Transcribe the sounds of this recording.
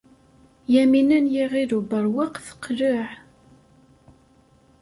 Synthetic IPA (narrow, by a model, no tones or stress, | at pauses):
jæminænjiʁiðubəɾwaqθə̥qːlʊʕ